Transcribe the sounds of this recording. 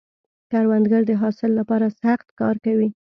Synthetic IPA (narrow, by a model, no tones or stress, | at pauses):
kaɾwand̪ɡaɾd̪əɦɑsɪlːapɑɾasaxt̪kɑ̰ɾkawi